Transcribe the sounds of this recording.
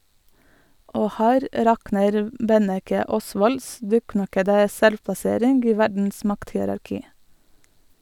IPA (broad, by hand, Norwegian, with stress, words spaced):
ˈoː ˈhæːɾ ˈɾɑknəɾ ˈbɛnɛkə ˈɔsʋɔls ˈdʉːˌknɑkədə ˈsɛlʋpɑˌseːɾɪnɡ ˈiː ˈʋæɖɳ̩s ˈmɑkthɪəɾɑɾˌkiː